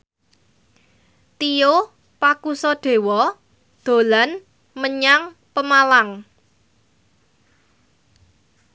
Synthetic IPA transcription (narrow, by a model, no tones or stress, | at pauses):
t̪ijo | pakusɔd̪̥e̤wɔ | d̪̥o̤lan | məɲaŋ | pəmalaŋ